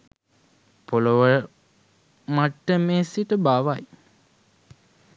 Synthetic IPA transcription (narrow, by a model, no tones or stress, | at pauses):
poluʋə | maʈːəmeːsiʈəbaːʋaj